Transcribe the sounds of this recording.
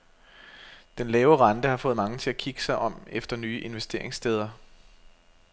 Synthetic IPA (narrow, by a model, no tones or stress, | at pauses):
d̥enlɛːʊəʁɑ̈nd̥əhɑ̈fɔ̽ːð̞̩ˠmɑ̈ŋət͡sʰe̝lækʰiɡ̥ə̥sɑ̈ɪʔɒ̽m̰efd̥ɐnyːʔe̝nʋesd̥e̝ɐ̰e̝ŋsd̥ʰeːð̞ˠɐ